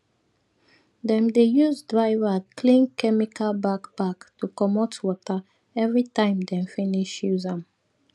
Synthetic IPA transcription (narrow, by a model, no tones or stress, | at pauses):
dɛ̃mdejuzdɹaɪvakʰlĩnkɛmikʰalbakb̥aktukɔmɔtwɔta | ɛvɹitãɪ̃mdɛ̃mfiniʃjuzãm